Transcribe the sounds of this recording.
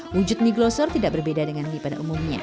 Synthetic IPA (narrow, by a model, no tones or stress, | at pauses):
wud͡ʒʊt̪̚niɡlɔsɔrt̪idaʔ̚bərbedadəŋanːipada̰ʔumumɲa̰